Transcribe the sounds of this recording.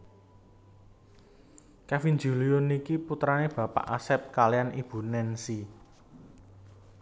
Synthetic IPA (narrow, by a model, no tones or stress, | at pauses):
kafind͡ʒṳlijʊnikiput̪ɾaneb̥ä̤pa̰ʔa̰sɛp̚kalijanib̥ṳnɛnsi